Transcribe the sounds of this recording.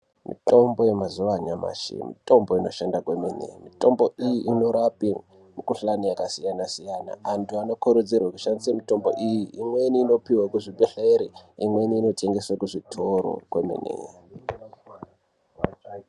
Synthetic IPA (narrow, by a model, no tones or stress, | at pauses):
mḭto̞mbo̞je̞mazuʋaɲama̰ʃḭmḭto̞mboino̞ʃandakweminḛmito̞mbo̞ʔijiʔino̞ɾapi | mukuɬanijakasijanasijana̰antuano̞koɾud͡zirwaku̥ʃandisamito̞mbo̞ʔijiimweniːno̞piwakuʐibeɬeɾiimweniːno̞tʰeŋɡeswakuʐitʰoɾo̰kwemḭnḛ